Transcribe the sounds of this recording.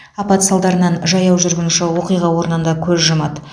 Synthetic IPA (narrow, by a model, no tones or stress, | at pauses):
ɑpɑt̪sɑlˠd̪ɑɾənɑnʒɑjɑwʒʏɾɡʲɪnʃɪwo̞qijʁɑwo̞ɾənənd̪ɑkʲʰɵzʒəmɑd̪